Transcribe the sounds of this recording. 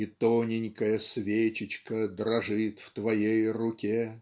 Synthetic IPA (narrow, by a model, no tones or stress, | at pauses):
ɪt̪onʲɪnʲkəjəsvʲet͡ɕɪt͡ɕkəd̪ɾɐʐɨt̪ft̪vɐjejrʊkʲe